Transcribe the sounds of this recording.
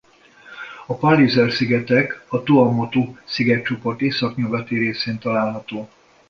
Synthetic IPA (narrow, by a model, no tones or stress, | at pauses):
ɒpɒlizɛrsiɡɛt̪ɛkɒt̪uɒmot̪usiɡɛt͡ʃo̞po̞rt̪eːsɒkɲuɡɒt̪iɾeːseːnt̪ɒlaːlɦɒt̪oː